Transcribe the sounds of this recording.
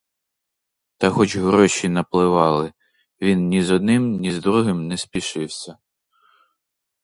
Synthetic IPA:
t̪ɐxɔt͡ʃɦɾɔʃinɐplˠɪʋɑlˠɪ | ʋʲinnʲizɔd̪̚nɪmnʲizd̪ɾuɦɪmnɛsʲpʲiʃɪwsʲɐ

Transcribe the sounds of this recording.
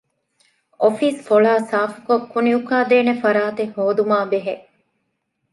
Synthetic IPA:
ofiːsfoɭaːsaːfu̥kokːuniukaːd̪eːnefɐɾaːt̪ehoːd̪umaːbeɦe

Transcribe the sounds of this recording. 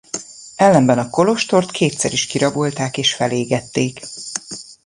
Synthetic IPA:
ɛlːɛmbɛnɒko̞lo̞ʃt̪o̞rt̪kʰeːt̪sɛɾiʃkiɾɒbo̞lt̪aːkeːʃfɛleːɡɛt̪ːeːk

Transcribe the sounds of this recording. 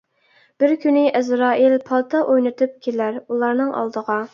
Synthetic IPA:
b̥ɪɾkʲʰynɪʔɛzɾɑːʔilpʰɑlˠt̪ʰɑʔojnɨt̪ʰɨp̚kʲʰelæɾulˠɑɾnɨŋʔɑ̰lˠd̪əʁɑ

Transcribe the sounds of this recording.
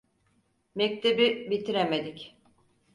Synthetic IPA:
mɛkc̚t̪ʰebibit̪ʰiɾemed̪ic

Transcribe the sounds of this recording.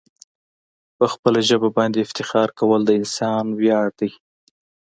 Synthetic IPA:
pəxpəlaʒəbabɑnd̪eɪft̪ɪxɑɾkawəld̪əɪnsɑnwjɑɽd̪̥əj

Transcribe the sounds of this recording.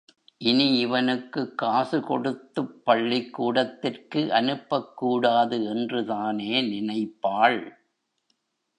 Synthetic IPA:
ʔɪniɪʋɐnɯkːɯkːaːsɯkɔɽɯt̪ːɯpːɐɭːikːuːɽɐt̪ːɪrkɯʔɐnɯpːɐkːuːɽaːðɯɛndrɯðaːneːnɪnɐɪpːaːɭ

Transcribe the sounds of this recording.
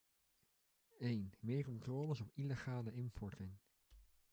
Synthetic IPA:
ejnmɪːɹkɔntrɔːləsɔpileχaːləɪmpɔɹtɪŋ

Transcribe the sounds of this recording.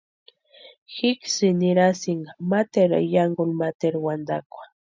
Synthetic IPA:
hɪksɪnɪɾasɪŋamat̪eɾa̰jaŋɡʊlmat̪eɾwand̪a̰kʷḁ

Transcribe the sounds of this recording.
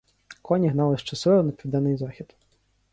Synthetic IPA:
kʰɔnʲiɦnɑlˠɪʃt͡ʃɐsɪɐnɐpʲiʋd̪ɛnːɪjzɑxʲid̪̥

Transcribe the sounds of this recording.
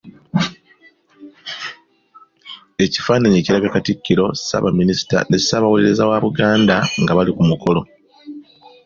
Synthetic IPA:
e̞ci̥faːnaɲeːciɾaɡakaticːiɾo̞si̥sa̰βaminisi̥ta̰ne̞saβawuliɾe̞zawaβuɡaːndaŋɡaβalikumuko̞lo̞

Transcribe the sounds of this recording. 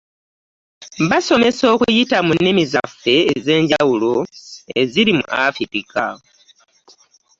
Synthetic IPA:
βaso̞me̞so̞ːkujitamunːimizafe̞ːze̞ːɲɟawuloe̞ziɾimṵʔafitika̰

